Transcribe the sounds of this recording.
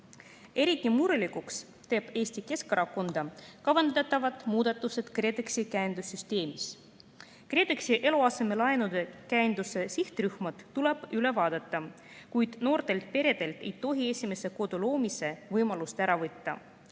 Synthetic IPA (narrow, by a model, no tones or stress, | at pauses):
e̞ɾit̪ːˑimuɾulikuks | t̪e̞ːb̥e̞ːsʲt̪ike̞skɑɾɑko̞nd̪̥ɑkɑvɑnd̪ɑt̪ːˑɑvɑt̪ˑmuːd̪̥ɑt̪ːˑuse̞t̪kre̞d̪eksikæːnd̪usːyst̪e̞ːmis | kre̞ːd̪eksiʔe̞loɑse̞me̞lɑenud̪̥e̞kæːnd̪use̞siht̪ryhmɑd̪̥t̪ːuleb̥yle̞vɑːd̪ɑt̪ːˑɑ | kujd̪̥no̞ːrt̪e̞lt̪̚pe̞ɾe̞d̪̥e̞lt̪e̞jt̪o̞ɦie̞sʲime̞se̞ko̞d̪̥ulo̞ːmise̞vɤjmɑlust̪æɾɑvɤt̪ːɑ̰